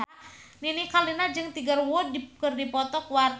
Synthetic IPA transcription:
ninikalinad͡ʒɨŋt̪iɡarwɔdikərdipɔt̪ɔkwar

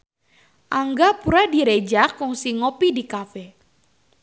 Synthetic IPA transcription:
ʔaŋɡapuɾadiɾed͡ʒakɔŋsiŋopidikafɛ

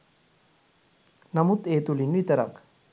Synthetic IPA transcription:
nɐmut̪eːt̪ulinːuit̪ɐɾak

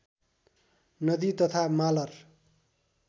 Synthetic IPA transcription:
nʌd̪it̪ʌt̪ʰamalʌr

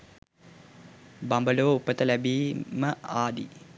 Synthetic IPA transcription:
bambəloːupːət̪əlæbiːməaːd̪ḭ

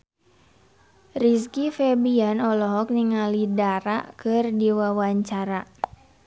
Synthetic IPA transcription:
riskifɛbianɔlɔɦɔk̚niŋalidaɾa̰kɨrdiwawaɲt͡ʃaɾa

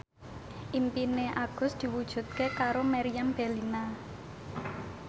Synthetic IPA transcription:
ʔimpineʔaɡ̥ʊ̤sd̪̥i̤wud̥ʒ̥ṳt̪̚kekaɾomaɾijamb̥e̤lina

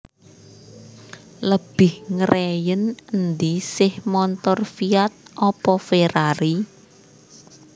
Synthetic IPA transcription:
ləb̥ɪhŋəɾʔɛjənənd̪isɪhmɔnt̪ɔrfiat̪̚ʔɔpɔfeɾaɾi

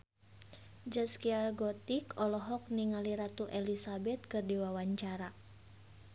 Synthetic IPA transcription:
d͡ʒaskiarɡɔt̪ikɔlɔɦɔk̚niŋaliɾat̪uʔɛlisabɛt̪̚kɨrdiwawaɲt͡ʃaɾa

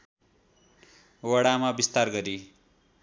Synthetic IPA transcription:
wʌɽamabist̪arɡʌɾi

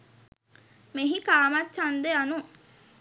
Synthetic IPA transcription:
meɦikaːmatːt͡ʃand̪eanu

